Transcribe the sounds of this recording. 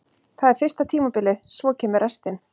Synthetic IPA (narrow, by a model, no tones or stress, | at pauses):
θaðɛɾ̥fɪr̥st̪at̪ʰiːmapɪlɪðsvɔːcʰɛːmɪɾʔɛst̪ɪn